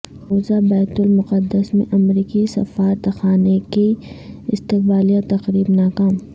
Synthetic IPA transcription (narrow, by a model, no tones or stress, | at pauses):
ɾoːzabaːɪt̪ʊlmʊqəd̪ːəsmḛ̃ʔɐmɾiːkisɐ̰faːɾt̪ɐxaːnekiɪst̪ɪq̚baːlijat̪ɐqɾiːbnaːkaːm